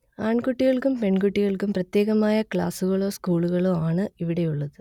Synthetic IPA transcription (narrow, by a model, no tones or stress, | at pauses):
aːɳkuʈːiɣɐɭkumpe̞ɳɡuʈːiɣɐɭkumprɐt̪je̞ːɣɐmaːjɐkɭaːsuɣɐɭo̞ːskuːɭuɣɐɭoːaːɳɨiʋiɽe̞juɭːɐðɨ